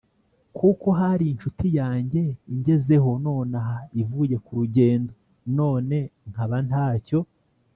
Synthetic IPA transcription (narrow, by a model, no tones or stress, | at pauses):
kʰuko̞ɦaɾiːnʃutijaːɲɟe̞iɲɟe̞ze̞ɦo̞no̞ːnaɦaivuje̞kuɾuɟe̞ːndo̞ | no̞ːne̞ŋ̥haβantaːco̞